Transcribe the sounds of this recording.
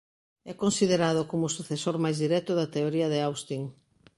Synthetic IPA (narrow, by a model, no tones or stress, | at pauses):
ɛkonsiðeɾaðʊkomʊsuθesoɾmajzðiɾɛt̪ʊðɐt̪eoɾiɐðɪawst̪iŋ